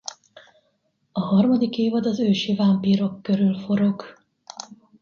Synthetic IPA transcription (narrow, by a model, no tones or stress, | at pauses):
ɒɦɒrmɒd̪ikeːvɒd̪ɒzøːʃivampiːɾo̞kːøɾylfo̞ɾo̞ɡ